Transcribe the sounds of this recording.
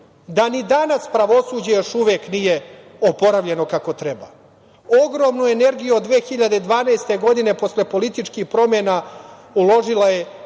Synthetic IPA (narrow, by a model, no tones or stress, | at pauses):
d̪anid̪anaspɾaʋo̞suːd͡ʑejo̞ʃuʋeːknije̞ | opo̞ɾaʋʎe̞no̞kako̞t̪ɾeba̰ | oɡɾo̞ːmnue̞ne̞ɾɡijuod̪ːʋeːxiʎad̪ed̪ʋaːnajst̪e̞ɡo̞d̪ine̞po̞sle̞po̞lit̪it͡ʂkixpɾo̞menaulˠo̞ʒilaje̞